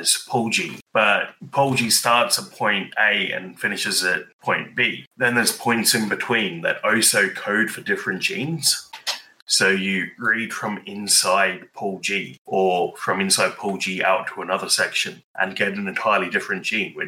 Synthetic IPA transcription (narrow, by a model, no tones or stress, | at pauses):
z̥pʰɔlˠd͡ʒḭb̥ʌt̚pʰɔlˠd͡ʒistɑˑtsət̚pʰɔ̃ɪ̃nteɪə̰̃nfɪ̃nɪʃɪzət̚pʰɔ̃ɪ̃nb̥iðə̃nðə˞z̥pʰɔ̃ɪ̃ntsɪ̃nbɪtʰw̥ĩːnðə̰ɾəʊsəʊkʰəʊd̥fədɪfɹə̃nd̥ʒ̥ḭ̃nz̥ | soʊjəɹid̥fɹə̃mɪ̃nsaɪd̥̚pʰɔlˠd͡ʒiʔəfɹə̃mɪ̃nsaɪd̚pʰɔlˠd͡ʒiʔa̰ʊtʰəənʌðəsɛkʃə̃nʔə̰̃nɡɛɾə̃nɛ̃ntʰaɪəlidɪfɹɨ̃nd̥ʒ̥ĩːnwɪ